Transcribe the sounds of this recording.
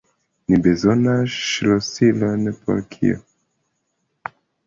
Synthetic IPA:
nibezɔnaʃlɔsilonpo̰ɾkʰḭɔ̰

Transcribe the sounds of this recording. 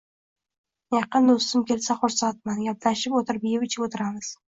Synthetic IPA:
jɑqɨnd̪ost̪ɪmkʲʰe̞lsaχoɾsat̪̚manɡʲaplaʃɪpot̪ʰɪɾbɪjɪpɪt͡ʃʰɪpot̪ʰɪɾamɪz̥

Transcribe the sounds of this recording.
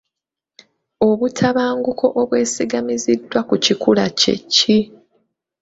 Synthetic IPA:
o̞βutʰaβaːŋɡukʰo̞ʔoβwe̞ːsiɡamizidːwakucikulacḛcːi

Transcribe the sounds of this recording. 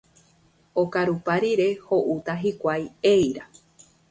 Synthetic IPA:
okaɾupaɾiɾe̞ho̞ʔut̪aɦikʷajejɾa

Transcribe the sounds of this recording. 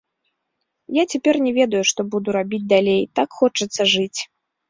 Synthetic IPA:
jat͡sʲɛpʲɛrnʲɛvʲɛd̪ɐjuʂt̪ɔbud̪uɾabʲid͡zʲd̪alʲejt̪akxɔt͡ʂɨt̪sːɐʐɨt͡sʲ

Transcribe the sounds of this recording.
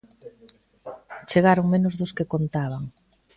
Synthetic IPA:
t͡ʃeɣaɾoŋmenʊzðʊskekont̪aβaŋ

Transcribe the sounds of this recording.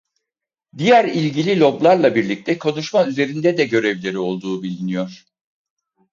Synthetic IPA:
d̪ijæɾilʲɟilʲilʲo̞blˠaɾlˠabiɾlʲic̚t̪ʰɛkʰo̞nuʃmayze̞ɾind̪ɛd̪ɛɟø̞ɾɛvlʲe̞ɾio̞lˠd̪uːbilʲinijo̞ɾ̝̥

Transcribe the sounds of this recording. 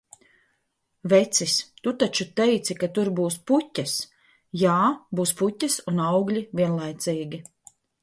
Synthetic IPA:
vɛt̪sist̪ut̪at͡ʃut̪ɛjt̪sikat̪uɾbuːsputʲːɐs | jaːbuːsputʲːɐsunawɡlʲivʲiɛnlˠajt̪siːɡʲi

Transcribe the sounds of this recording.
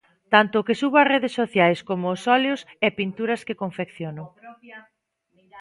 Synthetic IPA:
t̪ant̪ʊkɪsuβɐreðesːoθjajskomʊːsɔljʊsɛpint̪uɾɐskɪkoɱfekθjono

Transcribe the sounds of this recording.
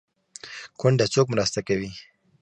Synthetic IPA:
kʊɳɖat͡sokmɾast̪akawi

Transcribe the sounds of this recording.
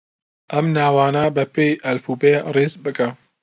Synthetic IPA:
ʔɐmnaːwaːnaːbɐpeːjʔɐlfuːbeːreːzbɨkɐ

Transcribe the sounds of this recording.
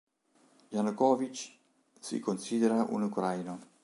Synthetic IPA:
janukɔːvit͡ʃ | sḭkonsiːd̪eɾaʔṵnukɾajno

